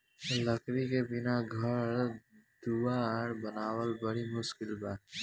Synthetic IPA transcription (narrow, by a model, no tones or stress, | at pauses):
ləkɾikebɪnaɡʱəɾ | d̪̥uwaɽbənaːwəlbɐɽimʊʃkɪlbaːt